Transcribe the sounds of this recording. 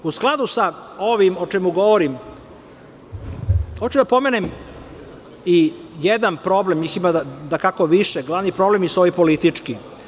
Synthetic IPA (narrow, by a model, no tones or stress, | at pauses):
usklˠad̪usao̞ʋimot͡ʃɛmuɡo̞ʋoɾim | xot͡ɕud̪apo̞menem | ijed̪anpɾo̞blemɲiːximad̪akako̞ʋiʃeɡlˠaʋnipɾo̞blemjisoʋipolit̪it͡ʂki